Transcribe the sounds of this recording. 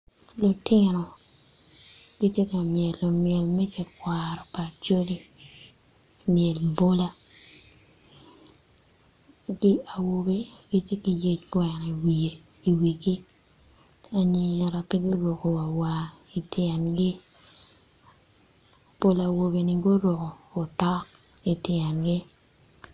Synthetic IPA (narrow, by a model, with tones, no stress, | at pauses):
lɔ˨tɪ˦nɔ˨ | ɡ̥i˦tje˦ka˨mjɛ˨lːɔ˨mjɛ˨lmɛ˦tje˦kwa˨ɾɔ˨pa˨t͡ʃo˦li˦ | mjɛ˨lmbo˦la˦ | ɡi˦a˨wo˨be˦ɡ̥i˦te˦ki˨je˦kwɛ˨n˨i˨wi˨e˨ | i˨wi˨ɡi˦ | a˨ɲɪ˨ɾa˨pi˦ɡo˦ɾo˨ko˨wa˨wa˨ | i˨tʰjɛ˨nɡɪ˦ | po˦la˨wo˨be˨ni˨ɡo˦ɾo˨ko˨o˨tɔ˦k | i˨tjɛ˨nɡɪ˦